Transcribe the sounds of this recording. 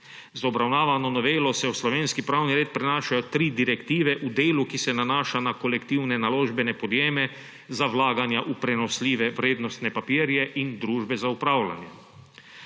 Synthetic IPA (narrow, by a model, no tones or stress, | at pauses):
zɔbɾawnaːʋanɔnɔʋeːlɔsɛwslɔʋeːnskipɾawniɾeːt̪̚pɾɛnaːʃajɔt̪ɾiːd̪iɾɛkt̪iːʋɛʔud̪eːlukisɛnanaːʃanakɔlɛkt̪iwnɛnaloːʒbɛnɛpɔd̪jeːmɛ | zawlaːɡanjaʔupɾɛnɔsliːʋɛʋɾeːd̪nɔst̪nɛpapiːɾjɛʔind̪ɾuːʒbɛzaupɾaːwla̰njɛ